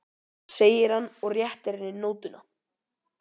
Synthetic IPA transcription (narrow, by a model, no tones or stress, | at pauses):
seːjɪɾ̥hanːɔɣrjɛht̪ɛɾɛnːɪnoːwt̪ʏna